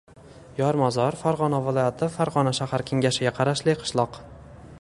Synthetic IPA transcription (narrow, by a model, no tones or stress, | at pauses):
jɒɾmɒzɒɾfaɾʁɒnavɪlˠɒjat̪ʰɪfaɾʁɒnaʃahaɾkʲʰeŋɡʲaʃɪɡʲaqʰɑɾaʃlɪqʰɨ̥ʃlˠɒq